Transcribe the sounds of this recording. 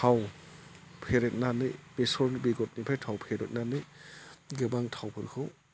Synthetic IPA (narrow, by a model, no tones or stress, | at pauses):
tʰaw | pʰeɾet̚nanɯjbesɔɾnbiɡɔt̚nipʰajtʰawpʰeɾet̚nanɯjɡɯbaŋtʰawpʰɯɾkʰɯw